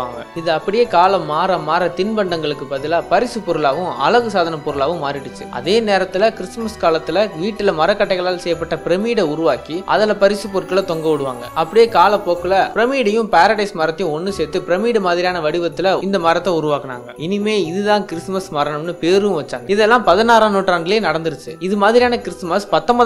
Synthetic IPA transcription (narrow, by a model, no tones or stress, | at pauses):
a̰ːŋɡɐ̰ɪðɯɐpːɐɽɪjeːkaːlɐmːaːɾɐmːaːɾɐt̪ɪnbɐɳɖɐŋɡɐɭɯkːɯpɐðɪlaːpɐɾɪsɯpɔɾɯlaːʋɯ̃ɐ̰lɐɣɯsaːðɐnɐpɔɾɯlaːʋɯ̃mːaːɾɪʈːɯt͡ʃːɯʔɐ̰ðeːneːɾɐt̪ːɪlɐkɪɾɪsmɐskaːlɐt̪ːɪlɐʋiːʈːɪlɐmɐɾɐkːɐʈːɐɪɣɐɭaːlsɛjːɐp̬ːɐʈːɐpɪɾɐmiːɽɐʊɾʊʋaːkiʔɐ̰ðɐlɐpɐɾɪsɯpːɔɾkːɐlɐt̪ɔŋɡɐʋɯɽɯʋa̰ːŋɡɐ̰ɐpːɐɽɪjeːkaːlɐpoːkːɐlɐpɪɾɐmiːɽɐjɯ̃paːɾɐɽɐɪsmɐɾɐt̪ːjʊ̃ɔnːɯsɛːt̪ːɯpɪɾɐmiːɽɯmaːðɪɾɪjaːnɐʋɐɽɪʋɐt̪ːɪlɐɪnd̪ɐmɐɾɐt̪ːɐʊɾʊʋaːkɐna̰ːŋɡɐɪnɪmeːɪðɯðãːnkɪɾɪsmɐsmɐɾɐɳɐmnɯpeːɾɯɯ̃ʋɐt͡ʃːaːŋɡɐɪðɛlːãːpɐðɐnaːɾãːnoːʈːraːɳɡɐɭeːnɐɽɐnd̪ɯɾɯt͡ʃːɯɪðɯmaːðɪɾɪjaːnɐkɪɾɪsmɐspɐt̪ːɐmbɐ